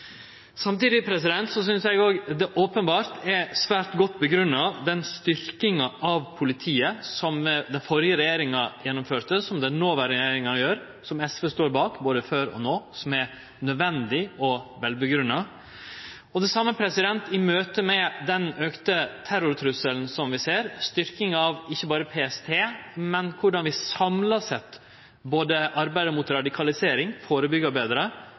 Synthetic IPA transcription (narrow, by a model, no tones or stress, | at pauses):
sɑmt̪iːd̪ɪpʰɾɛsɪd̪ɛnt̪sɔs̬ʏnsjɛɪɡoːɡd̪ɛʔoːpənbɑːɾt̪ɛsʋæːɾʈ̪ɡɔt̪ːbəɡɾʉnːɑd̪ɛnst̪ʏɾkɪŋɑʔɑʋpʰʊlɪt̪ʰiːəsɔmd̪ɛnfɔɾjəɾɛjeːɾɪŋɑjɛnːʊmføːʈ̪əsɔmd̪ɛnoːʋɑːɾjeːɾɪŋɑnəjøːɾ | sɔmɛsʋəst̪oːɾbɑːkboːd̪əføːɾɔ̰noːsɔmæ | nœd̪ʋɛnd̪ɪɔʋɛlbəɡɾʉnːɑ | ɔd̪ɛsɑmːəpʰɾɛsɪd̪ɛnt̪ɪmøːt̪əmɛd̪ɛnøːkt̪ət̪ʰæɾʊɾt̪ʰɾʉsəln̩sɔmʋɪseːɾst̪ʏɾkɪŋɑʋɪçːəbɑːɾəpʰeːɛst̪ʰeːmɛnkʰʊɖɑnʋɪsɑmlɑsɛt̪ | boːd̪əʔɑɾbæɪd̪əmʊt̪ɾɑd̪ɪkʰɑlɪseːɾɪŋfoːɾəbʏɡɑbeːd̪ɾə